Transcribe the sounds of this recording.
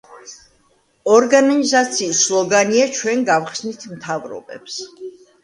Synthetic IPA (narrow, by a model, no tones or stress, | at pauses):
ɔɾɡanizat̪sʰiːsːlˠɔɡaniat͡ʃʰwɛnɡavχsnit̪ʰmt̪ʰavɾɔ̰bɛ̰ps